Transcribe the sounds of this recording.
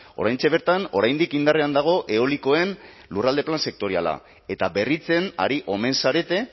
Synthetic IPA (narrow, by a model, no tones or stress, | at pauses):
o̞ɾajnt͡ʃe̞β̞e̞ɾt̪ano̞̰ɾajnd̪ikind̪areand̪aɣ̞o̞ʔe̞oliko̞e̞n | lurald̪e̞planse̞k̚t̪o̞ɾia̰la̰ | e̞t̪abe̞rit͡se̞na̰ɾiʔo̞me̞nsaɾe̞t̪e̞